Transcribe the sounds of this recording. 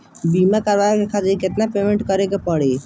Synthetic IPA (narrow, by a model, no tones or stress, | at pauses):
bimakəɾʋajkekʰat̪iɾket̪napemẽɳʈkəɾekepəɽe